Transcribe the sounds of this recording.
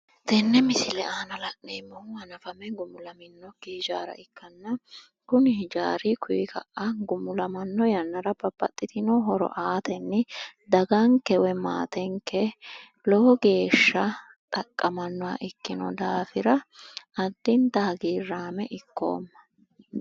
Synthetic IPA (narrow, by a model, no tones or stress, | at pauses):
t̪ɛnːɛmɪsɪlɛʔaːnɐlɐʔʼneːmːɔʊɐnɐfɐmɛɡʊmʊlɐmɪnːɔkiːd͡ʒaːɾɐ̰ɪkːɐnːɐ | kʊnɪd͡ʒa̰ːɾɪkʰʊjɪkʰɐ̰ʔʔɐɡʊmʊlɐmɐnːɔjɐnːɐɾɐbɐbːɐ̰t̪ʼːɪt̪ɪnɔɦɔɾɔ̰ʔaːt̪ɛnːɪd̪ɐɡɐŋkɛwɛma̰ːt̪ɛŋkːɛ | lɔɔɡe̞ːʃːɐ | t̪ʼɐkʼːɐmɐnːɔwɐ̰ʔɪkːɪnɔ̰d̪aːfɪɾɐɐd̪ːɪnt̪aːɡiːrːaːmɛʔɪkːo̰ːmːɐ̥